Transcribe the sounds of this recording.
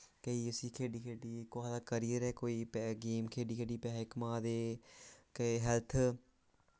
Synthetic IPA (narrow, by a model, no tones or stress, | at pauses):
kəiəsiːkʰeːɖiːkʰeːɖiːkoɦad̪aːkəɾijəɾɛːkoːiːpɛɡeːmkʰeːɖiːkʰeːɖiːpɛːɦɪkmãːd̪eːkeɦɛlt̪ʰ